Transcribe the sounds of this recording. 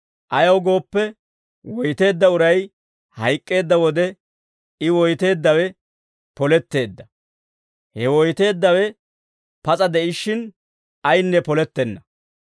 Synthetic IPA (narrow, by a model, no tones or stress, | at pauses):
ʔɐjɐwɡo̞ːpːɛ | wɔjt̪e̞ːd̪ːɐʊɾɐj | hɐjkʼːe̞ːd̪ːɐwɔd̪ɛ | ɪwɔjt̪e̞ːd̪ːɐwɛ | pɔlɛt̪ːe̞ːd̪ːɐ | hɛwɔjt̪e̞ːd̪ːɐwɛ | pɐt͡sʼɐd̪ɛʔɪʃːɪn | ɐjnːɛpɔlɛt̪ːɛnːɐ